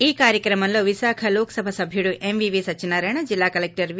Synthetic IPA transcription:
eːkaːɾjəkɾɐmɐnloʋisaːkʰɐloːksɐbʱasɐbʱiɽuʔemʋiʋisɐt͡ʃinaːɾɐɳ̃ɐd͡ʒilːaːkɐlek̚ʈɐɾʋ

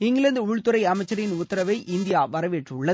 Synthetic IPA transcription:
ɪŋɡɐɭɯnd̪ɯʊɻt̪ɯɾɐɪɐmɐɪt͡ʃːɐɾɐjɪnʊt̪ːɐɾɐʋɐɪʔɪnd̪ɪjaːʋɐɾɐʋeːʈrʊɭːɐ

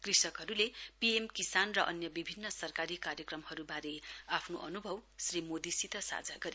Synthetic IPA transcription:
krisʌkɦʌɾulepiemkisanrʌʔʌ̰njʌbibʱinːʌsʌrkaɾikaɾjʌkrʌmhʌɾubaɾeapʰnoʔʌnubʱʌwsrimod̪isit̪ʌsa̰d͡zaɡʌɾi

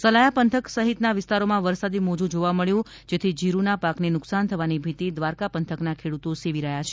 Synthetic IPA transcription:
səlajapənt̪ʰəksəɦit̪naʋɪst̪aɾomãʋəɾsad̪imod͡ʒũd͡ʒoʋaməɭjũ | d͡ʒet̪ʰid͡ʒiɾunapaknenʊksant̪ʰəʋanibʱit̪id̪ʋaɾkapənt̪ʰəknakʰeɽut̪oseʋiɾəɦjat͡ʃʰe̥

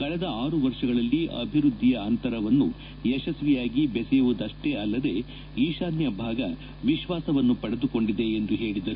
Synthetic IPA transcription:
kɐɭɛd̪ɐaːɾuʋɐɾʂɐɡɐɭɐlːiʔɐ̰bʱiɾud̪ʱːijɐɐnt̪ɐɾɐʋɐnːu | ɛʃɐsʋijaːɡibɛsɛjuʋud̪ɐʂʈe̞ɐlːɐd̪e̞ | iːʃaːnjɐbʱaːɡɐ | ʋiʃʋaːsɐʋɐnːupɐɽed̪uko̞ɳɖid̪e̞ːnd̪uɦe̞ːɭid̪ɐɾu

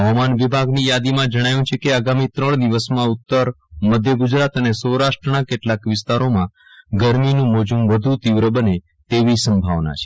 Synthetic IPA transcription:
ɦəʋamanʋibʱaɡnijad̪imãd͡ʒəɽ̃ajũt͡ʃʰekeaɡamit̪ɾəɳ̃d̪iʋəsmãut̪ːəɾ | məd̪ʱjəɡud͡ʒɾat̪ənesəwɾaʃʈɾənakeʈlakʋɪst̪aɾomã | ɡəɾminũmod͡ʒũʋəd̪ʱut̪iʋɾəbəne | t̪eʋisəmbʱaʋna̰t͡ʃʰe̥

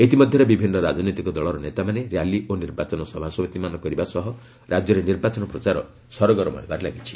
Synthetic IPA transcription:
et̪imɔd̪ʱjɔɾebibʱinːɔɾad͡ʒɔnit̪ikɔd̪ɔɭɔɾɔnet̪amaneɾjaliʔoniɾbat͡ʃɔnɔsɔbʱasɔbet̪imanɔkɔɾibasɔɦɔ | ɾad͡ʒjɔɾeniɾbat͡ʃɔnɔpɾɔt͡ʃaɾɔ̰ | sɔɾɔɡɔɾɔmɔ̰ɦebaɾela̰ɡit͡ʃʰi̥

